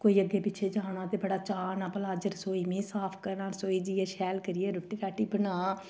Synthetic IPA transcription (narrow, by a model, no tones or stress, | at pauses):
koːiːəɡːeːpɪːʃʰeːd͡ʒaːɳ̃ãːt̪eːbəɽaːt͡ʃaːnãːpəlaːd͡ʒəɾsoːiːmĩːsaːpʰkəɾnaːsoːiːd͡ʒiːɛːʃɛːlkəɾɪjeːɾʊʈːiːɾaːʈiːbənaː